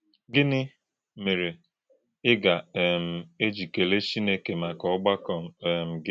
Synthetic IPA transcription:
ɡɪ˦nɪ˦ | me˨ɾe˨ | ɪ˦ɡa˨m̩˨e˦d͡ʒi˨ke˨le˦t͡ʃi˦ne˦ke˨ma˨kɔ˨˦ʊ˦ɡ͡ba˦kɔ˨m̩˨ɡɪ˦

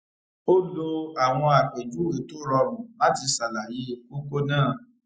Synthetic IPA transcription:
o˦lo˧a˨w̃ɔ̃˧a˨k͡pe˨d͡ʒu˨˦we˨˦to˦ɾɔ˧ɾũ˨la˨˦ti˧sa˨la˨ji˨˦k͡po˦ko˦nãː˦˨

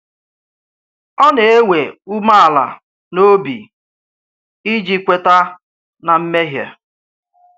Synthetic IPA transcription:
ɔ˦ne˨e˦we˨u˦ma˦a˨la̰˨ | no˦bḭ˨ | i˦d͡ʒi˦kʷe˨ta˦ | na˨m̩˦me˦ɦja̰˨

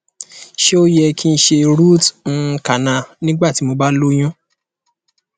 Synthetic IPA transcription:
ʃe˦o˦jɛ˧ki˦n̩˦ʃe˧ɾu˦˨t̩˦˧ka˨nã˧˨nĩ˦ɡ͡ba˦˨ti˨˦mo˧ba˦lo˦j̃ũ˦

